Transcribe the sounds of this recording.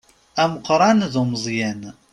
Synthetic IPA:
æməqɾˤɑnðoməzˤjæn

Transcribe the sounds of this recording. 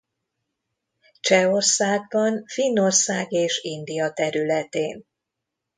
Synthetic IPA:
t͡ʃɛo̞rsaːɡ̚bɒnfinːo̞rsaːɡeːʃind̪ijɒt̪ɛɾylɛt̪ḛːn

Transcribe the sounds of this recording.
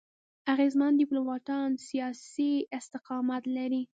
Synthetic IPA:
aɣezmand̪ipluwɑʈ̪ɑnsijɑsiɪst̪ɪqɑmat̪laɾi

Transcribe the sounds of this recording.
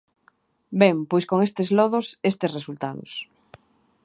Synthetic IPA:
bɛŋpojskoŋest̪ezlɔð̞ʊsest̪esresult̪aðʊ̰s

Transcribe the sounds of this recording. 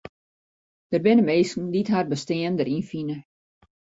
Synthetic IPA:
d̥ərbɪnəmeːskn̩ditɦarbəstɪəndəɾinfinə

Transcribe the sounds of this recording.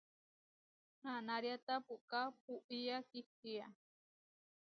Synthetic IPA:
hanaɾjat̪apuʔkap̚uʔijakitija

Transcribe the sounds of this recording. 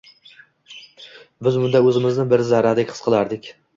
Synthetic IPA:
bɪzmʊnd̪aɵzɪmɪznɪbɪɾzaɾad̪ɪkʲʰɨ̥sqʰɨlˠaɾd̪ɪkʲ

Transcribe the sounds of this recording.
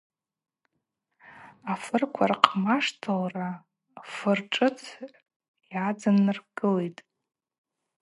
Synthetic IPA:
afɨrkʷʰarqʰʼmaʂtʰalra | fɨrʈ͡ʂʼɨt͡sʰ | jad͡zanːɨrɡɨlejtʼ

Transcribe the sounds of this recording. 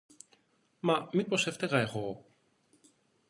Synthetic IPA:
mɐmipo̞seft̪eɣɐeɣo

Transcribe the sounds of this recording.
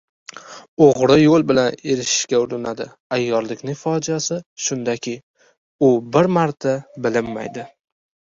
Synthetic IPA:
oʁɾɪjolˠbɪlane̞ɾɪʃɪ̥ʃkʲaʊɾɪnad̪ɪ̰ | ajːɒɾlɪkʲnɪŋfɒd͡ʒiasɪʃʊnd̪akʲʰɪj | ʊbɪɾmaɾt̪ʰabɪlɪmːa̰jd̪ɪ

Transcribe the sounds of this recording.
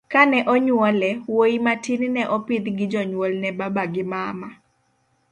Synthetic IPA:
kanɛʔɔɲwɔlɛwoimatinnɛʔɔpɪd̪ɡɪd͡ʒɔɲwɔlnɛbabaɡɪmama

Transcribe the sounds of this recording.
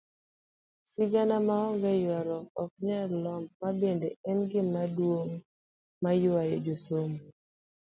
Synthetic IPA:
sɪɡanamaɔŋɡɛjwaɾɔkɔk̚ɲalɔmːabendeɛnɡɪmadwoŋ | majʊajed͡ʒosomo

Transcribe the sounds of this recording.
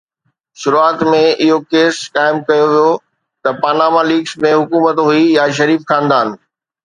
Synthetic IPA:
ʃʊɾuaːt̪mẽʔɪɦokeːskaːɪmkɐjoʋijo | t̪ɐpaːnaːmaliːksmẽɦʊkuːmət̪ɦuijaʃ̬ɐɾiːfxãːnd̪aːn̆

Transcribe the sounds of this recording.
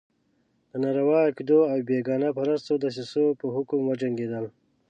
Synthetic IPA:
d̪ənaɾawɑakd̪oawbeɡɑːnapaɾəst̪od̪əs̬isopəɦʊkumwad͡ʒaŋɡed̪əl

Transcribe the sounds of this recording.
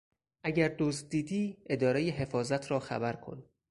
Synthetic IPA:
ʔæɟæɾd̪oz̚d̪iːd̪iːe̞d̪ɒːɾejeɦe̞fɒːzæt̪ʰɾɒːxæ̰bæɾkʰo̞̰n

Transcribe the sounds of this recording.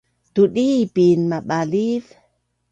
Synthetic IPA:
t̪uɗipinmaɓaliv

